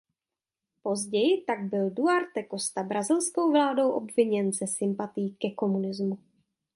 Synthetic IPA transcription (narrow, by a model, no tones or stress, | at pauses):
po̞zɟɛjɪt̪aɡ̚bɪlduaɾt̪ɛko̞st̪abɾazɪlsko̞wvlaːdo̞wʔo̞bvɪɲɛnzɛsɪmpat̪ɪjiːkɛko̞munɪzmu